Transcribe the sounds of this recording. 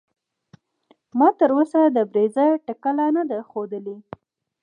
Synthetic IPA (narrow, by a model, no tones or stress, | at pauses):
mɑt̪əɾosad̪əbɾezəʈakalanad̪axod̪əle